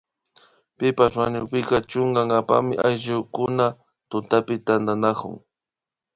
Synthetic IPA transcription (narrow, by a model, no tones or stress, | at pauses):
pɪpaswaɲʊpɪkat͡ʃʊŋɡaŋɡapa̰mɪʔajʒʊkʊna | t̪ʊt̪apɪt̪and̪anakʊ̰ŋ